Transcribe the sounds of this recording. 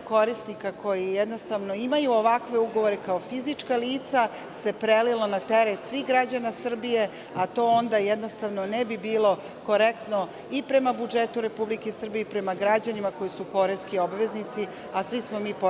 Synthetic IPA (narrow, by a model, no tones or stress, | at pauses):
ko̞ɾisnikako̞jijɛd̪no̞st̪aʋno̞imajuoʋakʋe̞uɡo̞ʋoɾekaofizit͡ʂkaliːt̪sa | se̞pɾelilonat̪eɾet̪sʋixɡɾad͡ʑanasr̩bije̞ | at̪o̞ond̪ajɛd̪no̞st̪aʋno̞nɛbibiːlˠo̞ | ko̞ɾekt̪no̞ | ipɾe̞mabud͡ʒet̪uɾe̞publikesr̩bijeipɾemaɡɾad͡ʑanimako̞jisupo̞ɾeskiobʋe̞znit̪si | asʋismo̞miːp